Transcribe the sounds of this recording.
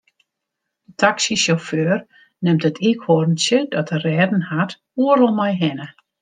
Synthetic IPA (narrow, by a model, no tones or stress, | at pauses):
d̥ətʰaksisoføːr | nɪmtətʰikhorən̩sjədɔtərɛːdn̩hat | uəɾɔlˠmajɦɛnə